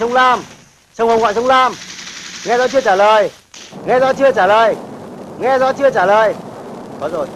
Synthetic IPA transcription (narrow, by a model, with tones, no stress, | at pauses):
sə˧wŋ͡mlaː˧m | sə˧wŋ͡mhə˨˩wŋwa̰˧˨sə˧wŋ͡mlaː˧mŋɛ˧zɔ̰˧˥t͡ɕɨ˧ət͡ɕaː˧˩ləː˨˩j | ŋɛ˧zɔ̰˧˥t͡ɕɨ˧ət͡ɕaː˧˩ləː˨˩jŋɛ˧zɔ̰˧˥t͡ɕɨ˧ət͡ɕaː˧˩ləː˨˩j | ɓaː˨˦zo˨˩j